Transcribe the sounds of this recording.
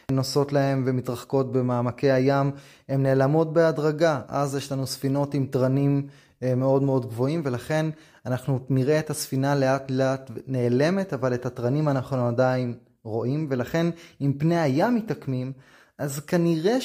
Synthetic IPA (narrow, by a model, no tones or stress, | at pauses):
noso̞tlae̞mvemitʁaχko̞tbemaːmake̞jajam | emne̞ːlamo̞t̚be̞adʁaɡaʔa̰zjeʃlanusfino̞timtʁanim | meo̞dme̞o̞dɡvo̞imve̞laχe̞n | anaχnuniʁe̞ːthasfinale̞atleatne̞ːle̞me̞tavale̞tatʁanimanaχnuadain | ʁo̞ʔimve̞laχe̞nimpne̞jajamːitakmim | ʔazkaniʁe